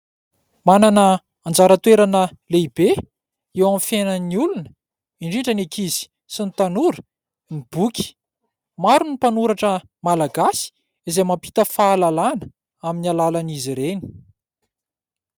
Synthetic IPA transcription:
mananə | and͡zaɾət̪weɾanəleibe | ewamfenəniulunə̥ | iɳɖ͡ʐiɳɖ͡ʐənekʰizi̥ | sinit̪anuɾə̥ | mib̥ukʲi̥ | maɾunipanuɾaʈ͡ʂə | malaɡasi̥ | izemampi̥t̪əfaːlalanə̥ | aminalalaniziɾeni̥

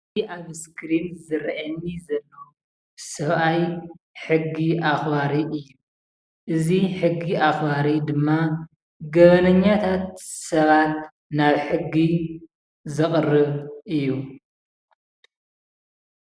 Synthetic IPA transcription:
iʔaβskʰɾinzɨɾʔanːizɐlːo | sɐβʔaj | ħɨɡːiʔaxβaɾiʔɨjːu | ʔɨziħɨɡːiʔaxβaɾid̪ɨmːa | ɡɐβɐnɐɲːat̪ʰat̪sɐβat̪ | naβħɨɡːi | zɨχʼrɨβʔɨjːu

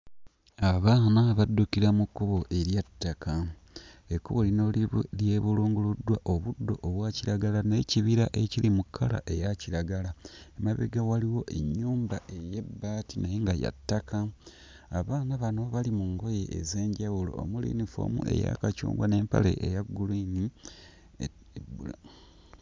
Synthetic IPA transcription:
aβaːnaβadːukiɾamukːuβo̞ʔe̞ɾjatːaka | ekːuβo̞linolje̞βuluːŋɡuludːwaʔoβudːo̞̰ʔːβwaciɾaɡalane̞ciβiɾaʔe̞cilimukʰːala̰ʔe̞jaciɾaɡalaemaβḛɡawaliwo̞ʔe̞ɲːuːmbaʔe̞je̞bːaːtinajeŋɡaja̰tːakaː | βaːnaβanoβalimuŋɡo̞je̞ʔːze̞ːɲɟawulo̞̰ːmulḭnifo̰ːmṵe̞̰ja̰kacṵːŋɡwa̰ne̞ːmpa̰lḛʔejaɡulini | bul

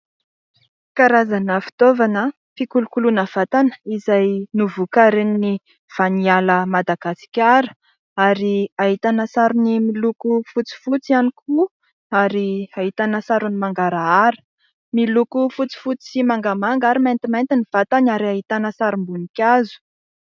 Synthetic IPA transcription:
kaɾazanəfi̥t̪ovanə | fikulukulunəv̥at̪anə̥izajnuvukaɾenini | v̥anialəmad̪aɡasi̥kʲaɾə̥ | aɾiaɦit̪anəsaɾunimilukufut͡si̥fut͡sianikʰu | aɾiaɦit̪anəsaɾunimaŋɡaɾaaɾə̥ | milukufut͡si̥fut͡si̥simaŋɡamaŋɡaɾimant̪imant̪iniv̥at̪anaɾiaɦit̪anəsaɾumbunikʲazu̥

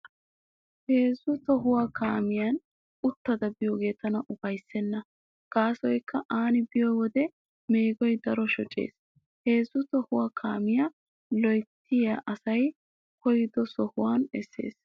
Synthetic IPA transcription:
he̞ːzʊt̪ɔɦʊwakaːmɪjan | ʊt̪ːɐd̪ɐbɪjoːɡe̞ːt̪ɐnɐʔʊbɐjsːɛnːɐ | kaːsɔjkːɐʔaːnɪbɪjɔwɔd̪ɛ | meːɡɔjd̪ɐɾɔʃɔt͡ʃʼḛːs | he̞ːzːʊt̪ɔhʊwakʰaːmɪja | lɔjt̪ːɪjaʔɐsɐj | kɔjɪd̪ɔsɔhʊwaːnɛsːe̞̰ːs

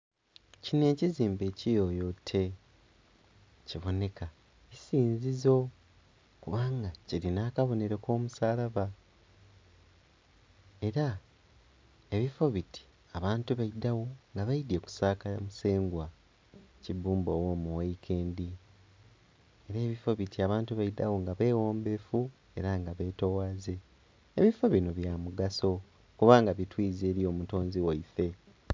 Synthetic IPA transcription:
cine̞ːciziːmbe̞ːcijo̞jo̞tʰːe̞ | ciβo̞ne̞ka | isiːnzizo̞ | kuβaːŋɡaciɾinaːkaβo̞ne̞ɾeko̞ːmusaːlaβa | e̞ɾa | e̞βifo̞βiti̥ | aβaːntuβaidːawo̞ŋɡaβaide̞ku̥saːkaamuse̞ːŋɡwa | cibuːmbo̞womuwaikʰe̞ːndi | e̞ɾeːβifo̞βitʰiaβaːntuβaida̰wo̞ŋɡaβe̞ːwo̞ːmbe̞fu | e̞ɾaŋɡaβe̞ːto̞waːze̞ː | βifo̞βinoβjamuɡaso̞ | kuβaːŋɡaβitwiːzeːɾijo̞ːmuto̞ːnziwaife̞

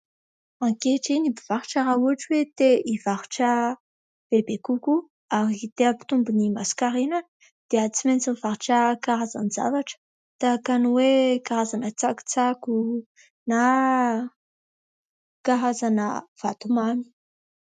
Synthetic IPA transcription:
aŋkeʈ͡ʂinibivaɾuʈ͡ʂaɾaɦuaʈ͡ʂiwet̪eʔivaɾuʈ͡ʂə | b̥ebekuku | aɾit̪eəpi̥t̪umbunimasi̥kaɾenə | d̪̥eət͡siment͡siniv̥aɾuʈ͡ʂəkaɾaza̰niza̰vaʈ͡ʂə̥ | t̪akanuwekaɾazanət͡saku̥t͡saku | na | kaɾazanəv̥at̪umami̥

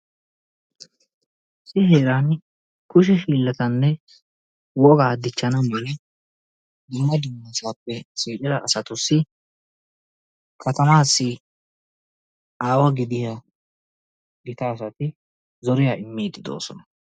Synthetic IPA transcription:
sɪɦe̞ːɾan | kʊʃ̬ɛʃiːlːɐt̪ɐnːɛ | wɔɡaːd̪ɪt͡ʃːɐnɐmɛlɛ | d̪ʊmːɐd̪ʊmːɐsaːpːɛsiːt͡ʃʼɪɾɐʔːsɐt̪ʊsːɪ | kʰɐt̪ɐmaːsːɪ | ʔaːwɐɡɪd̪ɪja | ɡɪt̪aːs̬ɐt̪ɪ | zɔɾɪjaːɪmːiːd̪ɪd̪o̞̰ːsɔ̰nɐ

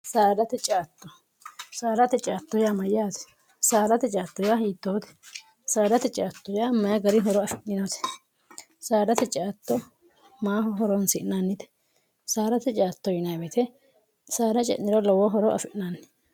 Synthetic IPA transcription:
saːd̪ɐt̪ɛt͡ʃʼaːt̪ːɔ | saːɾɐt̪ɛt͡ʃʼaːt̪ːɔjamɐjaːt̪ɛ̥ | saːdɐt̪ɛt͡ʃʼaːt̪ːɔjahiːt̪ːoːt̪ɛ̥ | saːd̪ɐt̪ɛt͡ʃʼaːt̪ːɔjamɐjɐɡɐɾɪɦɔɾɔɐfɪʔnɪnot̪ɛ̥ | saːdɐt̪ɛt͡ʃʼaːt̪ːɔ | maːhɔɦɔɾɔnsɪʔnanːɪt̪ɛ̥ | saːɾɐt̪ɛt͡ʃʼaːt̪ːɔjɪnɐbɛt̪ʰɛ | saːdɐt͡ʃʼɛ̰ʔnːɪɾɔlɐwɔɦɔɾɔʔɐ̰fɪʔnanːɪ̥

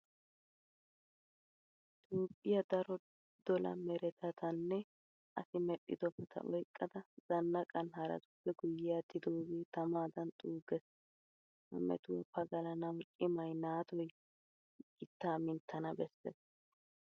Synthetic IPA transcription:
ɪt̪oːpʼːɪjɐd̪ɐɾɔ | d̪̥ɔlɐ̰mɛɾɛt̪ʰɐt̪ɐnːɛ | ʔɐsɪmɛɗːɪd̪ɔpːɐt̪ʰɐ̰ʔɔjkʼːɐd̪ɐz̥ɐnːɐkʼɐnhɐɾɐ̰t̪ʊpːɛɡʊjɪjaːt̪ːɪd̪oːɡit̪ɐmaːd̪ɐnt̪ʼuːɡɛs | mɐ̰mɛ̰t̪ʊwɔpːɐɡɐlɐnɐwkʼɪmɐjnaːt̪ɔj | ɡɪt̪ːaːmɪnt̪ːɐnɐbɛsːḛs

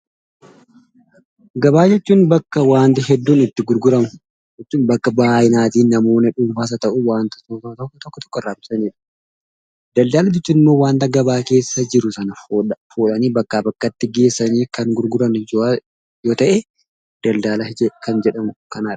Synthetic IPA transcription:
ɡɐbaːd͡ʒɛt͡ʃːuːnbɐkːɐwaːnt̪ɪɦɛd̪ːuːnɪt̪ːɪɡʊɾɡʊɾɐmʊ | d͡ʒɛt͡ʃːuːnbɐkːɐbaːʔɪnaːt̪iːnːɐmo̞ːnɐᶑuːmfaːs̬ɐt̪ɐʔʊwaːnt̪ɐ̥soːt̪ɐt̪ɔkːt̪ɔkːɔt̪ɔ̥kːɔɪrːaːbɪ̥sɐniːᶑɐ̥ | d̪̥ɐld̪aːlɐd͡ʒɛt͡ʃːuːnɪmːo̞ːwaːnt̪ɐɡɐbaːke̞ːsːɐd͡ʒɪɾʊsɐnɐffoːᶑɐniːbɐkːaːbɐkːɐt̪ːɪɡe̞ːsːɐniːkɐŋɡʊɾɡʊɾɐno | joːt̪ɐʔe | d̪̥ɐld̪aːlɐd͡ʒɛkɐnd͡ʒɛᶑɐmʊkɐnaːᶑɐ̥

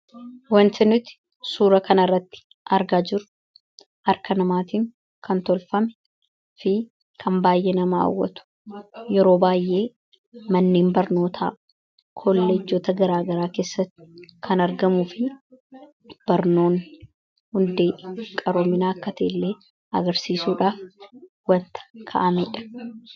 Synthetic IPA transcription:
wɐnt̪ɪnʊt̪ɪ̥ | suːɾɐkɐnɐrːɐt̪ːɪ̥ | ʔɐɾɡaːd͡ʒɪɾʊ̥ | ʔɐɾkʰɐnɐmaːt̪iːŋ | kʰɐnt̪ɔlfɐmɛ̥ | fɪ | kʰɐmbaːjʔeːnɐmaa̰wːɐ̰t̪ʊ̥ | jɛɾo̞ːbaːjʔe̞ː | mɐnːeːmbɐɾno̞ːt̪ʰa̰ː | kʰolːɛd͡ʒːoːt̪ɐɡɐɾaːɡɐɾaːke̞ːsːɐt̪ːɪ̥kʰɐnɐɾɡɐmufɪ | b̥ɐɾno̞ːn | hʊnd̪eːʔkʼɐɾoːmɪnaːɐkːɐt̪ɐʔɪlːe̞ː | ɐɡɐɾsiːsuːᶑaːf | wɐnt̪ɐ̥kʰɐ̰ʔɐmeːᶑɐ̥

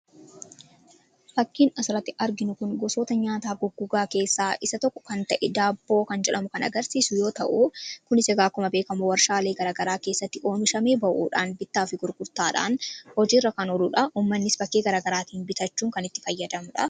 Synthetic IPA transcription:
fɐkːiːnɐsɾɐt̪ːɪʔɐɾɡɪnʊkʊnɡɔso̞ːt̪ɐɲaːt̪aːɡʊɡːʊɡaːke̞ːsːaːʔɪsɐt̪ɔkːɔ̥kɐnt̪ɐʔɛd̪aːbːo̞ːkɐnd͡ʒɛᶑɐmʊkɐnɐ̰ɡɐɾsiːsʊjo̞ːt̪ɐ̰ʔukʊnɪsɐɡaːkːʊmɐbeːkɐmʊwɐɾʃaːle̞ːɡɐɾaːɡɐɾaːke̞ːsːɐt̪ːɪʔo̞ːnɪʃɐmeːbɐʔṵːᶑaːnbɪt̪ːaːfɪɡʊɾɡʊɾt̪aːᶑa̰ːnhɔd͡ʒiːrːɐkɐnɔlʊᶑɐuːmːɐnːɪsbɐkːeːɡɐɾaːɡɐɾaːt̪iːnbɪt̪ɐt͡ʃːuːŋkɐnɪt̪ːɪ̥fɐjːɐd̪ɐmʊᶑɐ

